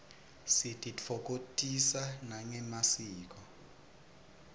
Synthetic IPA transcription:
sitʼit͡fʰɔk̬ʼotʼisanaŋɛmasiːk̬ʼɔ

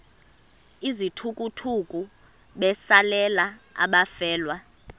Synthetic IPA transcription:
izitʰukʼutʰukʼu | ɓɛsalɛlaa̰ɓafɛːlwa

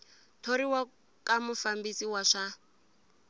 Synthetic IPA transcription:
tʰoɾiwa | kamufambisiwaʂa

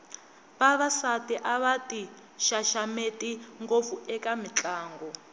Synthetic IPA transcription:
βaβasatiʔaβati | ʃaʃametiŋɡop̪fuɛkamit͡ɬaːŋɡɔ

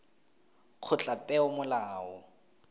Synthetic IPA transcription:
q͡χʰʊt͡ɬʼapʼɛʊmʊlaːɔ

